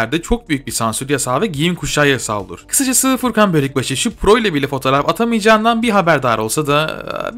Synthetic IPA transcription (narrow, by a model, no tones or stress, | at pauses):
æɾd̪ɛt͡ʃʰo̞k̚byjyc̚biɾsansyɾjasaːvɛɟijinkʰuʃajasa̰lˠd̪ˠṵɾ̥kʰɯ̥sad͡ʒasɯːfuɾkʰanbølʲɛc̚baʃɯʃupʰɾo̞ilʲabilʲɛfo̞t̪ʰo̞ɾafat̪ʰamɯjd͡ʒaːnd̪anbiɦabæɾd̪aːɾo̞lˠsad̪a